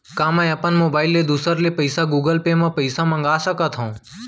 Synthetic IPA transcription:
kãːmə̃jəpənmoːbaːɪlːed̪uːsəɾlepəjsaɡuːɡəlpeːmãpəɪsãmə̃ŋɡaːsəkət̪ʰɦõ

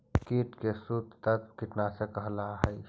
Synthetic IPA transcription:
kiʈkesud̪t̪ət̪kiʈ̪nasẽkəɦlaɦəj

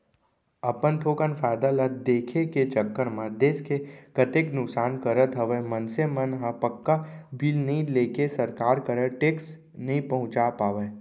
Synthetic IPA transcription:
ɐpənt̪ʰoːkənfɛːd̪alət̪d̪eːkʰeket͡ʃəkːəɾmãd̪eːskekət̪eknʊksaːnkəɾət̪ʰɦɐʋemɐnsemɐnɦãpəkːabiːlnɐĩleːkesɐɾkaːɾkəɾəʈeːks | nɐɦĩpɐɦʊ̃t͡ʃapaːʋe

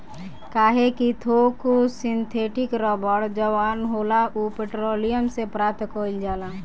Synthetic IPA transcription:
kaːɦekit̪ʰokusɪnt̪ʰeːʈɪkɾɔːbəɽd͡ʒəʋaːnɦoːlaupeʈɾoːlijəmsepɾat̪koːld͡ʒaːla

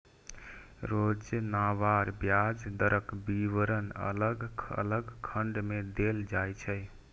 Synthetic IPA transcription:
ɾod͡ʒnaʋaɾbjad͡ʒd̪əɾəkbiʋəɾənə̰ləɡə̰ləɡkʰəɳɖmed̪eld͡ʒajt͡ʃʰəj

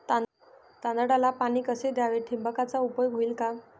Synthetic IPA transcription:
t̪ãnd̪aɽalapaniːkəsed̪jaʋeʈʰimbəkat͡saupəjɔɡɦoilka

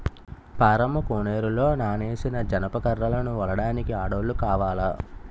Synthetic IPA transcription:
paːɾɐmɐkoːneːɾulo̞ːnaːne̞ːsinɐd͡ʒɐnɐpɐkɐɾːɐlɐnuʋɐlɐɽaːnikiaːɽɐːlːukaːʋaːlɐ

